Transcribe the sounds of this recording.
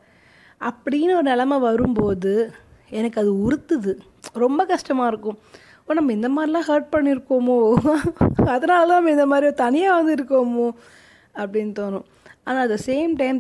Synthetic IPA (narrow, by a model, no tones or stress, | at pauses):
ʔɐpːɐɽɪjɪnːɔɾɯnɛlɐmɐʋɐɾɯmpoːðɯɛnɐkːɐðɯʊɾɯt̪ːɯðɯ | ɾɔmbɐkɐʂʈɐmaːɪɾɯkːʊ̃ | poːnɐmːɐɪnd̪ɐmaːd̪ɾɪlãːɦɐːɾʈ̚pɐɳːɪɾɯkːoːmoː | ɐðɐnaːlðãːnɐmːɐɪnd̪ɐmaːd̪ɾioɾt̪ɐnɪjaːʋɐnd̪ɪɾɯkːoːmoː | ɐpːɐɽɪnːɯt̪oːnʊ̃ | aːnaːɐðɐseːmʈɐɪm